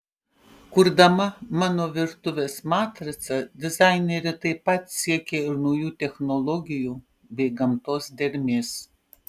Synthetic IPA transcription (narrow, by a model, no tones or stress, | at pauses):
kʊɾd̪ɐmɐmɑːnoːʋʲɪɾt̪ʊʋʲeːsmɑːt̪ɾɐsʲɐd̪ʲɪzɑɪnʲeɾʲɪt̪ɐɪppːɐt̪sʲiɛkʲeːɪɾnɔʊjuːt̪ʲɛxnɔlˠɔɡʲɪjuː | bʲɛɪɡɐmt̪oːsd̪ʲɛɾʲmʲeːs